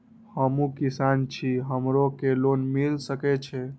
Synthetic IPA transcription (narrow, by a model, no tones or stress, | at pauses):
həmũkisant͡ʃʰiɦəmɾokelonmilsəkɛt͡ʃʰɛ